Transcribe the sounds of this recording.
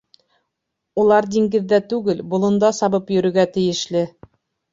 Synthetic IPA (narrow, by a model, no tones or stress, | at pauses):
ulˠɑɾd̪iŋɡɘ̆ðːæt̪ʉɡɘlbŏlˠɤ̆nd̪ɑsɑβɤpjɵ̆ɾɵ̆ɡæt̪ɘ̆jɘ̆ʃlɘ